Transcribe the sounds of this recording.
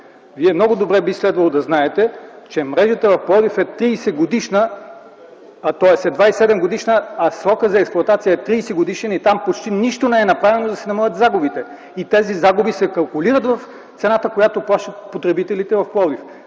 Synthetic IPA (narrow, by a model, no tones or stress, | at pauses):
viɛmnɔɡʊd̪obɾɛbislɛd̪vɐlˠod̪ɐznaɛt̪ɛ | t͡ʃɛmɾɛʒət̪əvɐfplˠɔd̪ifɛt̪ɾiːsɛɡod̪iʃnə | t̪ɔɛsɛd̪vaisɛd̪ɛmɡod̪iʃnəɐsɾɔkəzɐɛksplˠʊɐt̪at̪sijəɛt̪ɾiːsɛɡod̪iʃɛnit̪ampot͡ʃt̪iniʃt̪onɛɛnɐpɾavɛnod̪ɐsɛnɐmɐlʲˠət̪zaɡʊbit̪ɛ | it̪ɛzizaɡʊbisɛkɐlˠkʊliɾət̪vɐf | t̪sɛnat̪əkojat̪oplˠaʃt̪ət̪̚pot̪ɾɛbit̪ɛlit̪ɛvɐfplˠɔd̪if